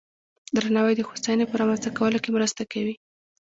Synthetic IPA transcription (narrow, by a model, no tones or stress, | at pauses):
d̪ɾanɑwajd̪əxosanepəɾɑmanst̪akawəlokemɾəst̪akawi